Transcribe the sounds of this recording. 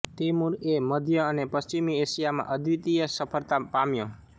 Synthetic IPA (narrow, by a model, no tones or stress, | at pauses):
t̪imuɾeməd̪ʱjəənepəst͡ʃimieʃijamã̰ʔəd̪ʱʋit̪ijəsəpʰəɾt̪apamjõ